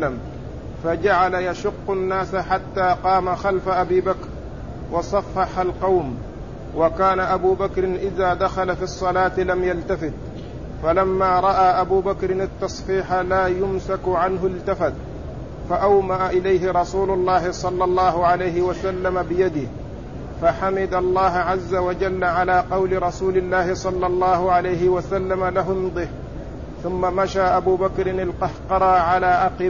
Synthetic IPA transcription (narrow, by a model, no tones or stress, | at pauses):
am | fad͡ʒaʕalajaʃʊqːʊnːaːsħat̪ːaːqɑːmaxalfaʔabiːbakɾ | wɑsˤɑfːɑħalqɑwm | wakaːnaʔabuːbakɾɪnʔɪðaːd̪axalafisˤːɑlaːt̪lamjalt̪afɪt̪̚ | falamːaːɾˤɑʔaːʔabuːbakɾɪnat̪ːɑsˤfiːħalaːjʊmsakʕanɦʊlt̪afat̪ | faʔawmaʔaʔɪlajɦɪɾˤɑsuːlʊlˤːɑːhɪsˤɑlːɑlˤːɑːɦʊʕalajɦɪwasalːamabɪjad̪ɪh | faħamɪd̪alˤːɑːɦʕazːawad͡ʒalːaʕalaːqɑwlɪɾˤɑsuːlɪlːaːhɪsˤɑlːɑlˤːɑːhʊʕalajɦɪwasalːamalaɦʊmd̪ˤɪh | θʊmːamaʃaːʔabuːbakɾɪnɪlqɑhqɑɾˤɑʕalaːʔaqɪ